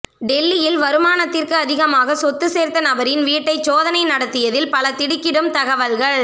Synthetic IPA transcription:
ɖɛlːɪjɪlʋɐɾɯmaːnɐt̪ːɪrkɯɐðɪɣɐmaːɣɐsɔt̪ːɯseːɾt̪ɐnɐbɐɾɪnʋiːʈːɐɪsoːðɐnɐɪnɐɽɐt̪ːɪjɐðɪlpɐlɐt̪ɪɽɪkːɪɽɯmt̪ɐɣɐʋɐlɣɐɭ

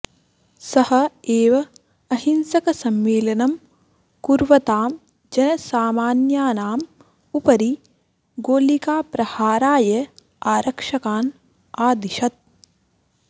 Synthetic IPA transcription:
sɐhɐ̆eːʋɐ | ɐhinsɐkɐsɐmːeːlɐnɐm | kuɾʋɐt̪aːm | d͡ʒɐnɐsaːmaːnjaːnaːm | upɐɾi | ɡoːlikaːpɾɐhaːɾaːjɐ | aːɾʔɐkʂɐkaːn | aːd̪iʃɐt̪̚

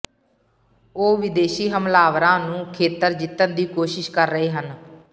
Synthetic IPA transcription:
oːʋɪd̪eːʃiːɦəmlaːʋɾãːnũːkʰeːt̪əɾd͡ʒɪt̪ːənd̪iːkoːʃɪʃkəɾːəɦeːɦən

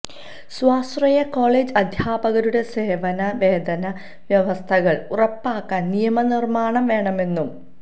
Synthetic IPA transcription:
swaːsrɐjɐko̞ːɭeːd͡ʑɐd̪ʱjaːbɐɣɐɾuɽe̞se̞ːʋɐnɐʋe̞ːd̪ɐnɐ | ʋjɐʋɐst̪ʰɐɣɐɭurɐpːaːkːaːnnijɐmɐnirmaːɳɐmʋe̞ːɳɐme̞nːum

